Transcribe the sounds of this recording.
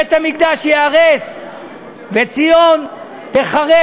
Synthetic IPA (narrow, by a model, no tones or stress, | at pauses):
et̪amikd̪aʃjeaʁes | vet͡sijo̞n | t̪eχaʁe